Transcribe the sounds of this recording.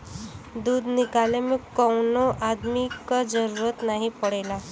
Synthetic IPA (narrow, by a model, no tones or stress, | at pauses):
d̪uːd̪nikalemikəwnoʔad̪mikəd͡zəɾuɾət̪naɦipəɽela